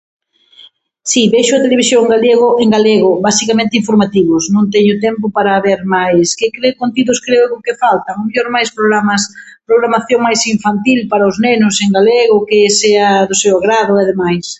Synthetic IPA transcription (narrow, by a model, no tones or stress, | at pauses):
sibeʃʊat̪eleβ̞isjõŋŋɡaleɣʊʔeŋɡaleɣʊβasikamẽnt̪ɪiɱfoɾmat̪iβʊsnõnt̪ɛɲʊt̪ɛmpʊpaɾaβeɾmajskekɾekõnt̪iðʊskɾeʊkʊkɪfalt̪aŋʊmeʎoɾmajspɾoɣɾamas | pɾoɣɾamaθjoŋmajsiɱfant̪ilpaɾaʊznenʊseŋɡaleɣʊkɪseɐðʊsewaɣɾaðʊaðemajs